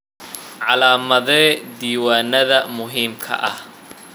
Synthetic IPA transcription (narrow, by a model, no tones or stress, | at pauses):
ʕɑlaːmɐðɛːd̪iːwaːnɐðɐmʊɦiːmkʰɐ̰ʔɐ̰h